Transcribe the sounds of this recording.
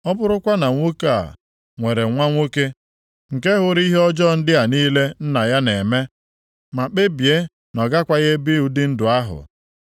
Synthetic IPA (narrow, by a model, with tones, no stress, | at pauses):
ɔ˦bʊ˦ɾʊ˦kʷa˦na˨ŋʷo˦ka˦˨ | ŋʷe˨ɾe˨ŋʷa˦ŋʷo˦ke˦ | ŋ̩˨ke˦ɦʊ˦ɾi˦ɦɔ˦d͡ʒɔ˦˨n̩˦dɪ˦a˨niː˦le˦n̩˦na˨ja˦ne˨me˦ | ma˨k͡pe˦bje˦ | nɔ˨ɡa˦kʷa˦ɣe˦bɪ˦u˦dɪ˦n̩˦dʊ˨a˦ɦʊ̰˨